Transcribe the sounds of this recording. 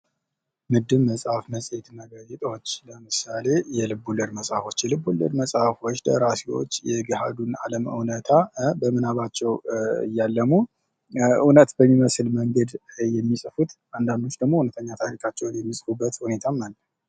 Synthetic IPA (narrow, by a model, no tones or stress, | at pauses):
mɨd̪ːɨβmːəsʼhafməsʼɛt̪nəɡajɛt̪ʼwot͡ʃːləmɨsale̞jɛlɨbulːɨɾməsʼhafo̞t͡ʃːjɛlɨbulːɨ̰ɾməsʼhafo̞t͡ʃːd̪ə̰ɾasiwo̰t͡ʃːjɛɡɨhad̪una̰ləmɨ̰wnət̪ʰabəmɨnaβat͡ʃːɛwɨ̰jːalːəmu | ʔunət̪bəmːiməsɨlməŋɡəd̪jɛmːisʼɨfut̪ʔand̪and̪o̞t͡ʃːd̪əɡmo̞hunət̪ʰəɲːat̪ʰaɾikʰʼat͡ʃːɛwnjɛmːisʼfubːət̪hune̞t̪ʰamːalːəh